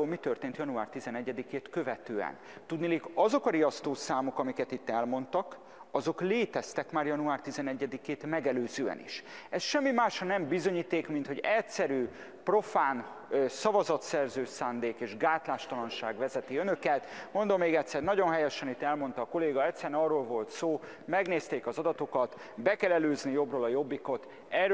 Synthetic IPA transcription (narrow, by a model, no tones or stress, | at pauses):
oːlmit̪ø̞rt̪eːnt̪jɒnuaːrt̪izɛnɛɟːɛd̪ikeːt̪kø̞vɛt̪øːɛ̰nt̪ud̪nileːkɒzo̞kɒɾijɒst̪oːsaːmo̞kɒmikɛt̪it̪ːɛlmo̞nt̪ɒk | ɒzo̞kleːt̪ɛst̪ɛkmaːrjɒnuaːrt̪izɛnɛɟːɛd̪ikeːt̪mɛɡɛløːzøːɛ̰nḭʃɛsʃɛmːimaːʃhɒnɛmbizo̞ɲiːt̪eːkmint̪ho̞ɟɛtsɛɾyː | pro̞faːn | sɒvɒzɒt̪sɛrzøːsaːnd̪eːkeːʒɡaːt̪laːʃt̪ɒlɒnʃaːɡvɛzɛt̪iønø̞kɛt̪mo̞nd̪o̞mːeːɡɛt̪sɛrnɒɟo̞nɦɛjɛʃɛnit̪ɛlmo̞nt̪ɒːko̞leːɡɒɛt̪sɛɾɛnɒrːoːlvo̞lt̪soː | mɛɡneːst̪eːkɒzɒd̪ɒt̪o̞kɒt̪ | bɛkɛlɛløːznijo̞broːlɒjo̞bːiko̞t̪ | ɛr